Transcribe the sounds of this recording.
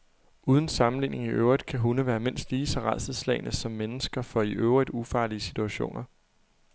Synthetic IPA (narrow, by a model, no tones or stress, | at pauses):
uːð̞ˠən̩sɑ̈mn̩lḭːne̝ŋiʔø̰ʊʁid̥kʰæɦunəʋæːɐme̝n̰sd̥liːsɒ̽ʁɑðˠsð̩ˠslɛ̰ɪnʔəsɒ̽mːenəsɡ̥ɐfɒ̽iʔøʊʁid̥ufɑ̈ːliəsit͡sʰuæɕo̝̰ːnʔɐ